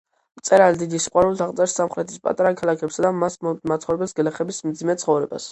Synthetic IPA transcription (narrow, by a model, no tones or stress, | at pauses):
t̪sʼɛɾald̪id̪isiqʼwaɾult̪ʰaʁt̪sʼɛɾsːamχɾɛt̪ʰi̥spʼa̰t̪ʼaɾakʰalˠakʰɛpsad̪amasmat̪sχɔvɾɛbɛlsɡlɛχɛbismd̪zimɛt̪sʰχɔvɾɛba̰s